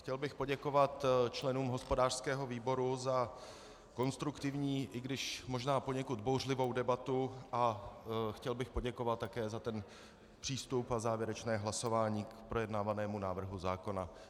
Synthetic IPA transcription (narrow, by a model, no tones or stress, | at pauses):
xcɛlbɪxpo̞ɟɛko̞vat̪t͡ʃlɛnuːmɦo̞spo̞daːr̥skɛːɦo̞viːbo̞ɾuza | ko̞nst̪ɾukt̪ɪvɲiːʔɪɡdɪʃmo̞ʒnaːpo̞ɲɛkut̪̚bowrlɪvo̞wdɛbat̪uʔaxcɛlbɪxpo̞ɟɛko̞vat̪tːakɛːzat̪ɛn | pr̥iːst̪upazaːvjɛɾɛt͡ʃnɛːɦlaso̞vaːɲiːkpɾo̞jɛdnaːvanɛːmunaːvr̩ɦuzaːko̞na